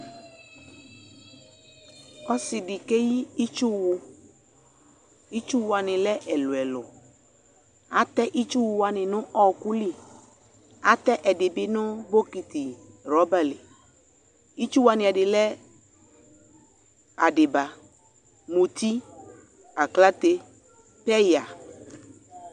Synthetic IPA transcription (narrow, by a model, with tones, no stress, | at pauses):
ɔ˦sɪ˨ɖɪ˨ke˦ji˦i˦t͡ʃu˦wu˦ | i˦t͡ʃu˦wu˨a˨nɪ̃˨lɛ˦ʔɛ˨lʊ˨ɛ˨lʊ̰˨ | a˨t̪ɛ˦ʔi˦t͡ʃu˦wu˨wa˨nɪ̃˨nʊ̃˦ʔɔ˦ku˦li˦ | a˨t̪ɛ˦ʔɛ˨ɖɪ˨bɪ˦nʊ̃˦bo˦ki˨t̪i˨ | ɾɔ˨˦ba˦le˨ | i˦t͡ʃu˦wa˨nɪ̃˨a˨ɖɪ˨lɛ˦ | a˨ɖɪ˨ba˨ | mũ˨t̪i˦ | a˨kla˦t̪e˦ | pɛ˦ja˨